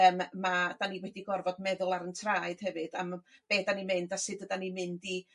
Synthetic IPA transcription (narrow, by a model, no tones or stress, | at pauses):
əmːad̥aniwɛdiɡɔrvɔdmɛðʊlˠaɾəntʰraːɨd̥hɛvɨd̥amb̥eːdanimɨndasɨdədanimɨndi